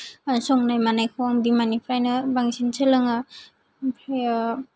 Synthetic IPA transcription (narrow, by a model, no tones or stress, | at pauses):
sɔŋnajmanajkʰowaŋbimanipʰɾajnɯbaŋsinsalɯŋa | pʰaja